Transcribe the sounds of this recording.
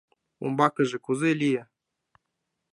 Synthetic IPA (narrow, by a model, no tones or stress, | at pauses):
ṵmbɑkɤ̆ʒĕkuzelʲijĕ